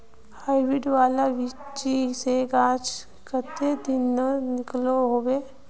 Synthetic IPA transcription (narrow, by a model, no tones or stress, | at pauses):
haːɪʋɪɖʋaːlaʋɪt͡ʃiseɡaːt͡ʃ | kət̪ed̪ɪnːənɪkloɦoːweː